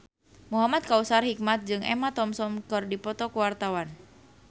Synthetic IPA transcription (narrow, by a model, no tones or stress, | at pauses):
muɦamat̪̚kausarhik̚mat̪̚d͡ʒɨŋɛ̰mat̪ɔmsɔmkɨrdipɔt̪ɔkuwart̪awan